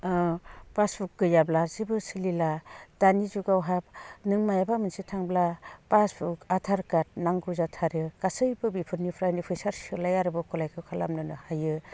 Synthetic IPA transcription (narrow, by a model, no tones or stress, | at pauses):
paspʰuk̚ːɯjablazibɯsililad̥anizuɡawɦap̚nɯŋmajabamɯnsitʰaŋblapaspʰukatʰaɾkat̚naŋɡuzatʰaɾɯkasɯjbɯbipʰɯɾnipʰɾajnipʰɯjsaɾsɯlajaɾɯbɯkʰɔlajkʰɯkʰalamnɯnɯhajɯ